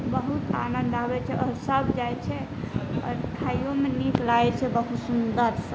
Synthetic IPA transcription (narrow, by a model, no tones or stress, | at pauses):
bəɦut̪a̰nənd̪abɛt͡ʃʰɛɔɾsəbʱd͡ʒajt͡ʃʰɛ | ɔ̰ːɾʈʰajjomeniklajt͡ʃʰɛbəɦut̪sund̪əɾsə